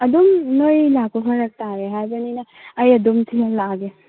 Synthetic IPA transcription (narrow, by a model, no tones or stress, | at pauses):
ɐdumnojlakʰukʰaɾɐk̚t̪aɾeɦajbɐninɐː | jɐdumtʰijalaɡe